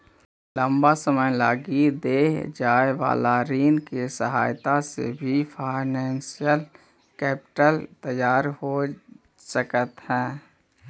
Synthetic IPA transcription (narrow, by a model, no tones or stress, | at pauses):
lə̃mbasəməjlaːɡid̪eːd͡ʒaːeʋa̰ːlaɾiːnkesəɦaːjt̪asḛbʱifʰaːɪnɛ̃ːnsijəl | kɛːpɪʈəlt̪əjaːɾho | səkət̪ɦɛ̃ː